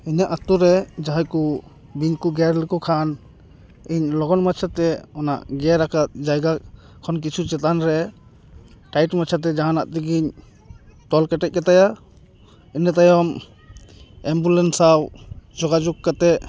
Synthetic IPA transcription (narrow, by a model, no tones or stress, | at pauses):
iɲaʔat̪uɾɛd͡ʒaɦajku | biɲkuɡɛɾlɛkɔkʰan | iɲlɔɡɔnmat͡ʃʰat̪ɛɔna̰ʔɡɛɾakatd͡ʒajɡa | kʰɔnk̬it͡ʃʰut͡ʃɛt̪anɾɛ | ʈajʈmat͡ʃʰat̪̬ɛd͡ʒaɦanaʔt̪iɡiɲ | t̪ɔlkɛʈɛc̚ˀkat̪aja | inat̪ajɔm | ɛmbulɛnsawd͡ʒɔɡad͡ʒukkːat̪ɛ